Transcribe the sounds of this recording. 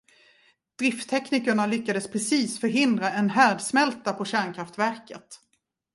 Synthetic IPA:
d̪̥ɾɪft̪ʰːɛkniːkəɳalʏkːad̪əspʰɾɛsiːsfœɾɦɪnd̪ɾaɛnɦæːɖsmɛlt̪apʰɔɕæːɳkʰɾaft̪væɾkət̪

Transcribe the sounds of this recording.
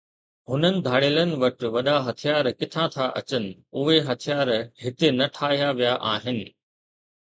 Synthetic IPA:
ɦʊnənɪ̆d̪ʱaːɽeːlənɪ̆ʋɐʈɪʋɐɗaɦɐt̪ʰijaːɾkɪt̪ʰãːt̪ʰaʔɐ̰t͡ɕənɪ̆ʊɦeɦɐt̪ʰijaːɾɦɪt̪enɐʈʰaːɦijaʋijaʔaːɦɪnɪ̆

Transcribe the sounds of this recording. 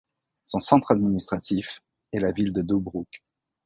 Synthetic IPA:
sɔ̃sɑ̃t̪χad̪minist̪χat̪if | ɛlavild̪əd̪obʁuk

